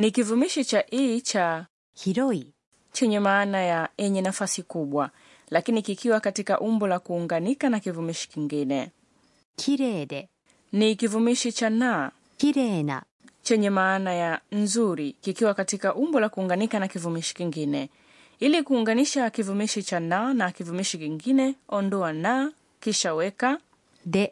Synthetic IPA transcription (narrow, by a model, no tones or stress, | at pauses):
nikivumiʃit͡ʃaʔit͡ʃa | hiɾɔi | t͡ʃɛɲɛmaːnajaɛɲɛnafasikuɓwa | lakinikikiwakatikaʔumbɔlakuːŋɡanikanakivumiʃi̥kiŋɡinɛ | kʰiɾɛdɛ | nikivumiʃit͡ʃana | kiɾɛna̰ | t͡ʃɛɲɛmaːnajanzuɾikikiwakatikaʔumbɔlakuːŋɡanikanakivumiʃi̥kiŋɡinɛ | ilikuːŋɡaniʃakivumiʃit͡ʃananakivumiʃikiŋɡinɛɔndɔana | kiʃawɛka | dɛ